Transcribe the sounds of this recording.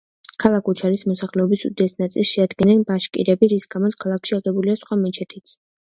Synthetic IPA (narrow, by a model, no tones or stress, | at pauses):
kʰalˠakʰut͡ʃʰaɾismɔsaχlɛɔbisṵd̪iɛsnat̪sʼilˠsʃɛad̪ɡɛnɛnbaʃkʼḭɾɛbiɾisɡamɔt̪sʰkʰalˠakʰʃiaɡɛbuliasχwamɛt͡ʃʰɛt̪ʰit̪sʰ